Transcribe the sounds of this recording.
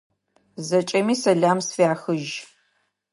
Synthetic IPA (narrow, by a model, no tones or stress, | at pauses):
zɐt͡ʃʼɐmiːsɐɮaːmsfjaːxɨʒ